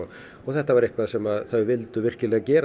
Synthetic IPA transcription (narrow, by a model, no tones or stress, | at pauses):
ɔɣθɛht̪ːavaɾɪhkvaðsɛmaðθœɥvɪlt̪ʏvɪr̥cɪlɛːɣacɛːɾa